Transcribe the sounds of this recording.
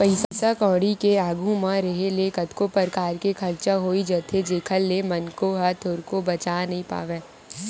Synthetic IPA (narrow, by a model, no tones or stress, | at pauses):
pɐɪssakɔːɽikeaːɡʱũmãɾɐɦelekɐt̪kopəɾkaːɾkekʰɐɾt͡ʃaɦoːid͡ʒɐːt̪ʰed͡ʒeːkʰəlːemɐnkoɦɐt̪ʰoːɾkobɐt͡ʃaːnɐɦĩpa̰ːʋeː